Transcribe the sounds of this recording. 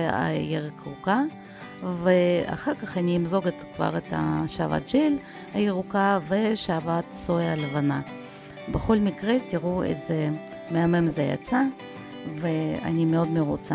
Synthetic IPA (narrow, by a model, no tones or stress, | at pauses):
a̰jeʁkʁuka | vea̰χaʁkaχaniimzo̞ɡet̪kva̰ʁet̪a̰ʃaːva̰t̪̚ʒil | ajiʁukaveʃaːvat̪soalevana | beχo̞lmikʁet̪iʁuḛze | meamemzeja̰t͡sa | vea̰nimeo̞d̪meʁut͡sa